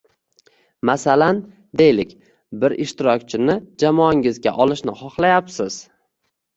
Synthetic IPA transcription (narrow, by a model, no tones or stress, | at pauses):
masalan | d̪e̞jlɪkʲ | bɪɾʔɪʃt̪ɪɾɒkʲt͡ʃʰɪnɪd͡ʒamɒŋɪzɡʲa̰ʔɒlˠɪʃnɪχɒχlˠajapsɪz̥